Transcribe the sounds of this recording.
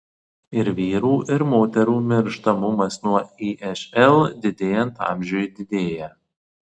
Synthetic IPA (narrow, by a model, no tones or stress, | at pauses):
ɪɾʋʲiːɾuːʔɪɾmoːt̪ʲɛɾuːmʲɪɾʃt̪ɐmʊmɐsnuɔiːʔɛʃʲɛlˠd̪ʲɪd̪ʲeːjɛnt̪ɑ̰ˑmʲʒʲʊjd̪ʲɪd̪ʲeːjæ